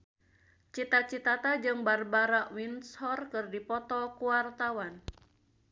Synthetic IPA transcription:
t͡ʃit̪at͡ʃit̪at̪ad͡ʒɨŋbarbaɾaʔwinshɔrkɨrdipɔt̪ɔkuwart̪awan

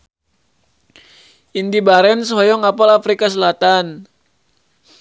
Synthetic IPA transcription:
indibaɾɛnsəɦɔjɔŋapalafɾikasəlat̪an

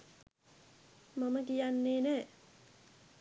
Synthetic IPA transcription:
məməkijanːenɛ

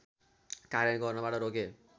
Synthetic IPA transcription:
kaɾjʌnɡʌrnʌbaʈʌɾoɡe

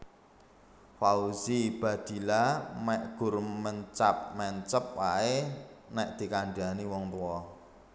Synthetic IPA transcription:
fausib̥a̤d̪̥i̤lamɛʔɡ̥ʊ̤rməɲt͡ʃap̚mɛɲt͡ʃəp̚waenɛʔd̪̥i̤kaɳɖianiwɔŋt̪uwɔ

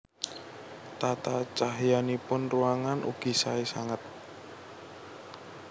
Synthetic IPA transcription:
t̪at̪at͡ʃaɦjanipʊnruaŋanʔṵɡ̥i̤saisaŋət̪̚

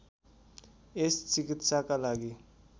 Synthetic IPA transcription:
est͡ʃikit̪sakalaɡi

